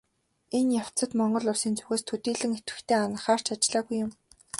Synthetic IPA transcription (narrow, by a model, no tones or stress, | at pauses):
enjaw̥t͡sə̆t̪mɔɴɢɞ̆ɮʊrsiːnt͡suɣeːst̪ʰɵt̪iːɮɘ̆ŋet̪wɘ̆xt̪ʰeːanə̆χaːr̥t͡ɕʰat͡ɕɮaːɣujːʊm